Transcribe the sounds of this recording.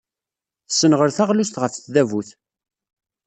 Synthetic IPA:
θsːənʁəɾθæʁlust̪ʁəfθðævuθ

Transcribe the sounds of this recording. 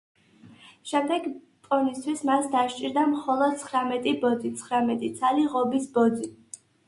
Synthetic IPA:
ʃɛmd̪ɛɡ | pʼɔnist̪ʰwismasd̪aʃt͡ʃʼiɾd̪amχɔlˠɔd̪̥̚t̪sʰχɾamɛt̪ʼibɔd̪zit̪sʰχɾamɛt̪ʼit̪sʰaliʁɔbisbɔd̪zi

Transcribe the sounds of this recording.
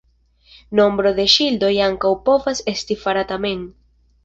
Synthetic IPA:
no̞mbɾo̞de̞ʃildo̞jaŋkawpo̞vase̞stifaɾatame̞n

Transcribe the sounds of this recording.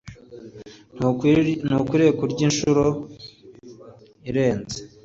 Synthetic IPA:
nukwiːɾekuɾɟinʃuɾo | iɾe̞ːnze̥

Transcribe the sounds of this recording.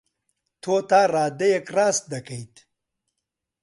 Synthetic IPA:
t̪ʰoːt̪aːraːd̪ɐjekraːst̪̚d̪ɐkɐjt̪

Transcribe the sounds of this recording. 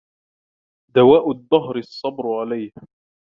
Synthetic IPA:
d̪awaːʔʊd̪ˤːɑɦɾɪɑsˤːɑbɾʕalajh

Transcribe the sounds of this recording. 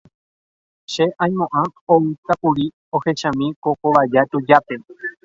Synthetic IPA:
ʃe̞ʔãj̃mõʔãoɨsapuɾi | o̞he̞ʃãmĩko̞koʋad͡ʒat̪ud͡ʒape̞

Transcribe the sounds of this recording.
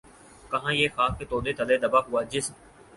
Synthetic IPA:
kɐɦãːjeːxaːkket̪oːd̪et̪ʰɐled̪ɐbaɦʊaːd͡ʒɪsm

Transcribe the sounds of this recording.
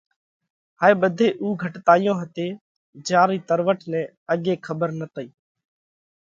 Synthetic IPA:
ɦaːeːɓəd̪ʱeːʔuːɡʱəʈt̪aːɪjõːɦət̪eː | d͡ʒaːɾiːt̪əɾʋəʈʰnɛ̃ː | əɠeːkʰəbəɾnət̪əiː

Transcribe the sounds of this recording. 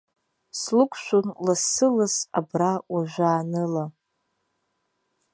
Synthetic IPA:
slɨkʷʰʃʷonlasɨlasa̰brawaʒʷaːnɨla

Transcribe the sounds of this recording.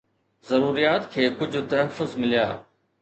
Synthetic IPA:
zɐɾuːɾijaːt̪kʰeːkʊd͡ʑʱʊ̆t̪ɐɦəfʊzmɪlijaː

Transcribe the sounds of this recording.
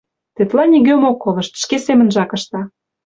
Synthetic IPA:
t̪et̪lɑnʲiɣømokːolɤ̆ʃt̪ʃkesemə̆nʒɑkə̆ʃt̪ɑ

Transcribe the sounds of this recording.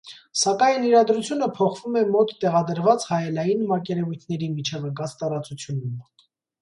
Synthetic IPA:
sɑkɑjniɾɑd̪ɾut͡sʰjunəpʰɔχv̥umɛmɔt̪ːɛʁɑd̪əɾvɑt͡shɑjɛlɑjinmɑkɛɾɛvujt̪ʰnɛɾimit͡ʃʰɛvəkɑt͡st̪ɑɾɑt͡sut͡sʰjunum

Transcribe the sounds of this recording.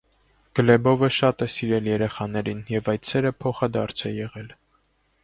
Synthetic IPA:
ɡ̥əlɛbɔvəʃɑt̪ɛsiɾɛljɛɾɛχɑnɛɾinjɛvɑjt̪sɛɾəpʰɔχɑd̪ɑɾt͡sʰɛjɛʁɛl

